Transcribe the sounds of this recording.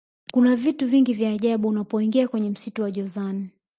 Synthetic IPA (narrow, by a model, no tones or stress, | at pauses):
kunavituviŋɡivjaːʄaɓuːnapɔiŋɡiakwɛɲɛm̩situwaʄɔzani